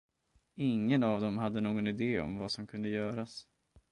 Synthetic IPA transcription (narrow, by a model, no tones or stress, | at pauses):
ɪŋːənavd̪ɔmɦad̪ːənoːɡɔnɪd̪eːɔ̰mvasɔmkʰɵnd̪əjœːɾas